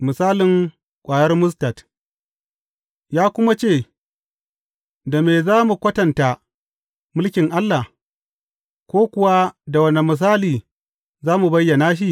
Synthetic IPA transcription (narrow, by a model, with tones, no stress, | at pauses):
mɪ˨saː˦lɪ˨ŋ | kʷʼaː˨jɐ˦rmʊ˦sta˨t | jaː˦kʷʊ˦ma˦t͡ʃeː˦˨ | da˨meː˨zaː˦mu˨kʷɐ˦tɐ˨nta˨ | mʊ˦lkʲɪ˨ŋʔa˦lːa˨ | kʷoː˦kʷʊ˨wa˦da˨wɐ˦ne˨mɪ˨s̬aː˦liː˨ | zaː˦mu˨bɐ˦jːɐ˨naː˦ʃ̬i˦ʔ